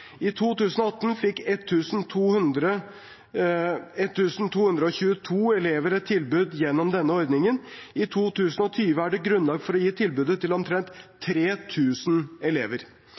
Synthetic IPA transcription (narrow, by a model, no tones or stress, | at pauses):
ɪt̪ʰuːt̪ʉːsən̩ɔɑt̪ːn̩fɪkːɛt̪ʰːʉːsn̩t̪ʰuːhʉnd̪ɾə | ɛt̪ʰːʉːsn̩t̪ʰuːhʉnd̪ɾəɔçʉːət̪ʰuːɛleːʋəɾɛt̪ʰːɪlbʉd̪jɛnːɔmd̪ɛnːəɔɾd̪nɪŋənɪt̪ʰuːt̪ʰʉːsənɔt̪ʰyːʋəæɖɛɡɾʉnlɑːɡfɔɾɔjiːt̪ʰɪlbʉːd̪ət̪ʰɪlɔmt̪ʰɾɛnt̪ʰːɾeːt̪ʰʉːsnɛleːʋəɾ